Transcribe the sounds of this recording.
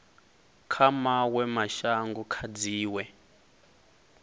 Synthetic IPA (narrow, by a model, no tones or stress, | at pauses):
kʰamawɛmaʃaŋɡukʰad͡ziːwɛ